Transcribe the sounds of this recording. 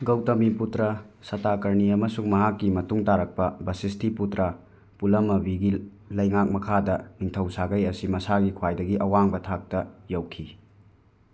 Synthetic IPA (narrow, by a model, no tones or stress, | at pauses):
ɡɐwtɐmiputɾɐsɐtakɐɾniɐmɐsuŋmɐɦakːimɐtuŋtaɾɐk̚pɐbɐsistʰiputɾɐ | pulɐmːɐbiɡil | lɐjŋak̚mɐkʰadɐniŋtʰɐwsaɡɐjɐsimɐsaɡikʰwajdɐɡiʔɐwaŋbɐtʰak̚tɐjɐwkʰi